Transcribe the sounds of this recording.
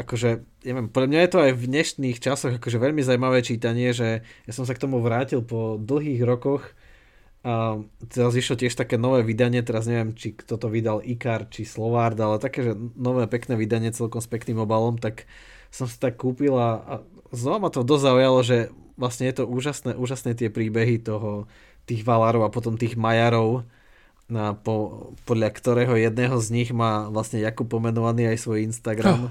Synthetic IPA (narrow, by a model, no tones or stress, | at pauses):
ʔakɔʒɛ | ɲɛʋɪɛmpɔd̪ʎamɲajɛt̪ɔajvɲɛʃniːxt͡ʃasɔɣakɔʒɛʋɛʎmizaumaʋɛːt͡ʃiːt̪aɲɪɛʒɛjasɔms̬akt̪ɔmuʋɾaːcilˠpɔd̪l̩ˠɦiːɣɾɔkɔx | t̪ɛɾazʋiʃlɔcɪɛʃt̪akɛːnɔʋɛːʋid̪aɲɪɛt̪̬ɛɾazɲɛʋɪɛmt͡ʃikt̪ɔt̪ɔʋid̪alʔikaɾt̪t͡ʃislɔʋaɾd̪alɛt̪akɛːʒɛnɔʋɛːpɛknɛːʋid̪aɲɪɛt͡sɛlkɔmspɛkniːmɔbalɔmt̪ak | sɔmsi̥t̪akːuːpilaa | znɔʋamat̪ɔd̪ɔzzaujalɔʒɛ | ʋlasɲɛjɛt̪ɔuːʒasnɛʔuːʒasnɛt̪̬ɪɛpɾiːbɛɦit̪ɔɦɔ | t̪iːɣʋalaɾɔʊapɔt̪ɔmt̪iːɣmajaɾɔʊ | apɔpɔd̪ʎakt̪ɔɾɛːɦɔjɛd̪̚nɛːɦɔzɲiɣmaːʋlasɲɛjakupːɔmɛnɔʋaniːajsʋɔjinst̪aɡɾam